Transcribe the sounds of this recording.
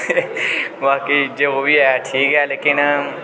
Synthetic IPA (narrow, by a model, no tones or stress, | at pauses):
ʋaːkid͡ʒeːʋobʱiajaʈʰiːkɦɛːleːkɪn